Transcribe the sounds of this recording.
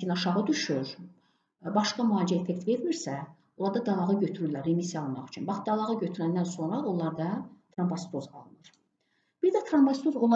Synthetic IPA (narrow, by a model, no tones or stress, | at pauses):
inɑʃɑʁɯd̪yʃyɾ | bɑʃkɑmyɑːlid͡ʒæefek̚t̪ve̞ɾmiɾsæ | olˠɑɾd̪ɑd̪ɑlˠɑʁɯɟøt̪ʰyɾylːæɾːemisjɑlˠmɑχy̥t͡ʃʰynbɑχd̪ɑlˠɑʁɯɟøt̪ʰyɾænd̪ænso̞nɾɑolˠːɑɾd̪ɑt̪ʰɾɑmbɑst̪ʰozɑ̰lˠnɯɾ̥ | b̥iɾd̪æt̪ʰɾɑmbɑst̪ʰozolˠɑ